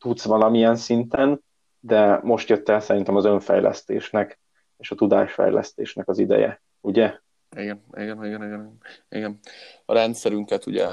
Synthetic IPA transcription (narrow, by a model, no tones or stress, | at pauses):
t̪ut̪sʋɒlɒmijɛnsint̪ɛn | d̪ɛmo̞ʃt̪jø̞t̪ːɛlsɛɾint̪ɛmɒzø̞ɱfɛ̰jlʔɛ̰st̪ḛːʃnɛk | eːʃɒt̪ud̪a̰ːʃfɛ̰jlʔɛ̰st̪ḛːʃnɛkɒzid̪ɛ̰jɛ̰ | uɟɛ | iɡɛniɡɛniɡɛniɡɛniɡɛnḭɡɛnɒɾɛnt̪sɛɾyŋkɛt̪uɟɛ